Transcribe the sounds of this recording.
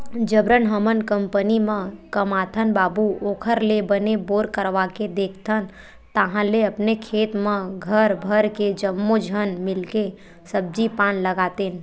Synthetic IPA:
d͡ʒəbɾənɦəmənkəmpənimə̃kəmat̪ʰənbaːbuoːkʰəɾlebəneboːɾkəɾʋaked̪eːkʰt̪ʰən | t̪əɦãleəpnekʰeːt̪mẽɡʱəɾbʱəɾked͡ʒəmːod͡ʒʱənmɪlke | səb̚d͡ʒipãːnləɡaːt̪en

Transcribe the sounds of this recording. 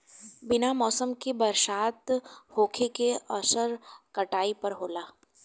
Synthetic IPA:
bɪnamɔːsəmkibɐɾʃaːt̪hoːkʰekeɔʃəɾkɐʈaːipɐɾɦoːlaː

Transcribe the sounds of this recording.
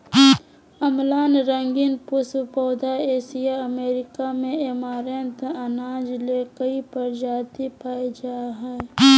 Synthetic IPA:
əmlaːnɾə̃ŋɡinpʊswpɔːd̪ʱaeːsijaəmeːɾɪkamẽemaːɾent̪ənaːd͡ʒleːkəipəɾd͡ʒaːt̪ipaːid͡ʒaːɦɛː

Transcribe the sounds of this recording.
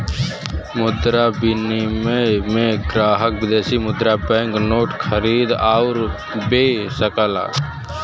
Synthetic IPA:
mʊd̪ɾabɪnimẽmẽɡɾaːɦəkbɪd̪eːsimʊd̪ɾapɛ̃ːŋknoːʈkʰəɾiːd̪aʊɾ | beːsəkəla̰ː

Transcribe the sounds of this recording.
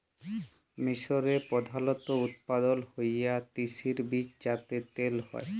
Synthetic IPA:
miʃoɾepɔd̪ʱalɔt̪out̪̚pad̪olhojat̪iʃiɾbid͡ʑd͡ʑat̪et̪elhɔ̰e

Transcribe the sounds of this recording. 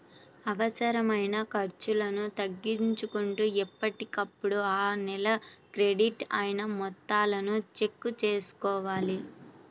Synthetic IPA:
ɐʋɐsɐɾɐmɐjnɐkɐɾt͡ʃulɐnut̪ɐɡːiɲt͡ʃukuɳʈuːɛpːɐʈikɐpːuɽuaːnɛlɐkɾe̞ɖiʈɐjinɐmɔt̪ːaːlɐnut͡ʃe̞kːut͡ʃeːsu̥kɔːʋaːli

